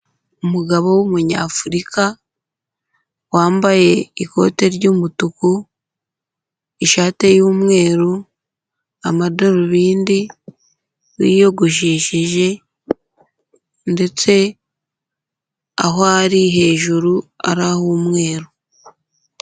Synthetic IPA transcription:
umuɡaβo̞womuɲa̰ːfuɾikʰa | waːmbaje̞iko̞̰ːte̞ɾɟuːmutuku | iʃaːte̞juːmŋe̞ːɾo | amadoɾoβiːndi | wḭːjo̞ɡuʃ̬iːʃiʒe̞ | nde̞t͡se̞ | a̰ɦoaɾiɦe̞ːʒuɾua̰ɾahumŋe̞ːɾo

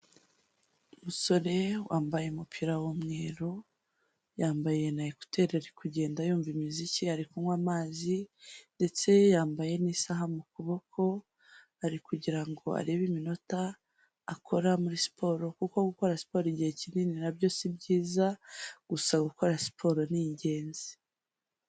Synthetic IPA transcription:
umuso̞ɾe̞waːmbajeumupʰiɾawomŋeːɾo | jaːmbaje̞naiku̥tʰe̞ːɾe̞ɾekuɟe̞ːndajuːɱvimiziciaɾikuwamaːzinde̞t͡se̞jaːmbaje̞nisaɦamukuβo̞kʰo̞ | aɾikuɟiɾaŋɡo̞̰a̰ɾe̞βimino̞taː | kʰo̞ɾamuɾisi̥pʰo̞ɾo̞kuko̞ɡuko̞ɾasi̥po̞ɾiɟihecinininabɟo̞ːsibɟiːzaɡ̥usaɡuko̞ɾasi̥pʰo̞ɾo̞niɲɟe̞ːnzi̥

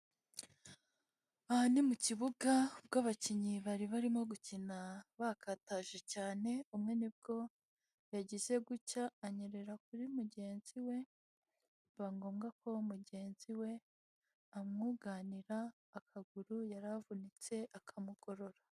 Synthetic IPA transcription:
ahanimuciβuɡabɡaːβaciɲiβaɾiβaɾimo̞ɡucinaβakataʒecaːne̞umŋe̞nib̚ɡo̞ | jaɟize̞ɡucaːɲeɾe̞ɾak̚uɾimuɟe̞ːnz̥iwe̞ | βaŋɡoːmɡako̞muɟe̞ːnziwe̞ | amŋuɡaniɾaː | kʰaɡuɾujaɾavunit͡se̞ʔakʰamuɡ̥o̞ɾo̞ɾa

